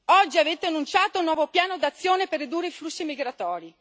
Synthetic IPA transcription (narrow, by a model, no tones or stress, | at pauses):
ɔd͡ʒːiaveːt̪eanːunt͡ʃaːt̪ounːwɔːvopjaːnod̪at̪sːjoːneperːid̪uːrːeiflusːimiɡɾat̪ɔːɾi